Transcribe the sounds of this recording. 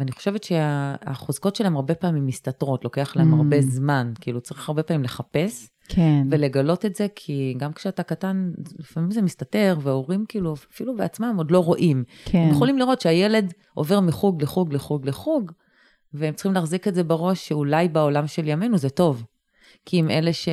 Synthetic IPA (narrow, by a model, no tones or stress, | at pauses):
veaniχoʃe̞vetʃeaa̰χozko̞tʃelaemaʁbe̞paːimimːistatʁo̞tlo̞ke̞aχleaemaʁbe̞zmankiilut͡saʁiχaʁbe̞pamimle̞χape̞s | eve̞le̞ɡalo̞tetze̞kʰiɡamkʃeatakatanlifamimzemistate̞ʁveoʁimkiiːluafilubeat͡smamo̞dloʁoʔimemjeχolimliʁotʃeajele̞d | ʔo̞ve̞ʁmiχuɡleχuɡleχuɡleχuɡ | veemt͡siχimlaːχzikeze̞beʁo̞ʃːeulajbao̞lamʃe̞ljame̞nuzeto̞v | kʰiime̞leʃe